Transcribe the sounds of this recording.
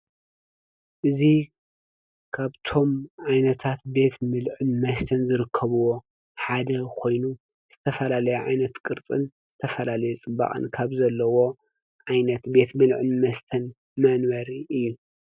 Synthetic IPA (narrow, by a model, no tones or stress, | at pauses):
ʔɨzi | kʰaβt̪ʰo̞mʕajnɐt̪ʰat̪be̞t̪mɨlʕɨnmɐst̪ʰɐnzɨɾɨkʰːɐβuwo̞ | ħad̪ɐkʰo̞jnu | z̥ɨt̪ʰɐfɐlalɐjuʕa̰jnɐt̪kʼɨɾt͡sʼɨ̰nz̥ɨt̪ʰɐfɐlalɐjut͡sʼɨbːa̰χʼɨ̰nkʰaβzɐlːɐwo̞ | ʕajnɐt̪be̞t̪mɨlʕɨnmɐst̪ʰɐn | mɐnwɐɾiʔɨjːu